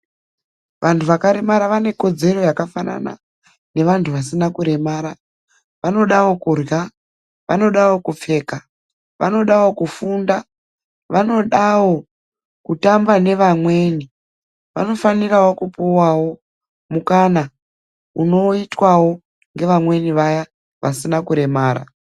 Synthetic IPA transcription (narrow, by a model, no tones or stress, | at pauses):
ʋʔantʰuʋakaɾe̞maɾaʋane̞ko̞d͡ze̞ro̞jakafana̰na̰ | ne̞ʋantʰuʋasinakuɾe̞maːɾa | ʋano̞ɗawo̞kurja | ʋa̰no̞ɗawo̞kup͡fe̞ːka | ʋa̰no̞ɗawo̞kufunda | ʋano̞ɗawo̞ | kutambane̞ʋamwe̞ːni | ʋano̞fanirawokupuwawo̞ | mukana | uno̞itwawo̞ | ŋɡe̞ʋamwe̞niʋaja | ʋasinakuɾe̞maːɾa̰